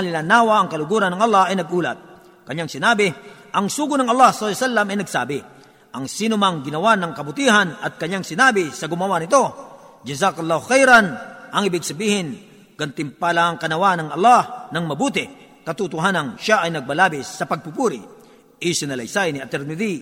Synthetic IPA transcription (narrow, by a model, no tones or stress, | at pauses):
ɐlɪlanaːwaʔɐŋkɐlʊɡuːɾɐnːɐŋɐlːahɐjnɐɡ̚ʔuːlɐt̪̚ | kɐɲaŋsɪnaːbɪʔɐŋsuːɡʊnɐŋɐlˠːahsɐlːsalːɐmɐjnɐɡsaːbɪ | ʔɐŋsiːnʊmaŋɡɪnɐwanɐŋkɐbʊt̪iːɦanɐt̪̚kɐɲaŋsɪnaːbɪsɐɡʊmɐwanɪt̪o̞d͡ʒɐzakɐlˠːahʊxɛjɾɐnʔɐŋɪbɪɡ̚sɐbiːhɪn | ɡ̥ɐnt̪ɪmpalaŋkɐnɐwanɐŋɐ̰lˠːahnɐŋmɐbuːt̪ɪ | kɐt̪ʊt̪ʊɦaːnɐnʃaʔɐjnɐɡ̚pɐlaːbɪsːɐpɐɡ̚pʊpuːɾɪ | ʔɪsɪnɐlɐ̰jsajnɪʔɐt̪ɛɾnɪd̪i